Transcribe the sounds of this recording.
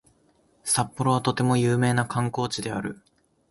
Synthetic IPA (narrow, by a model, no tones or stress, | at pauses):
sapːoɾo̞βat̪o̞t̪e̞mo̞jɯ̟ːme̞ːnakʰãŋko̞ːt͡ɕid̪e̞a̰ɾɯ̟̰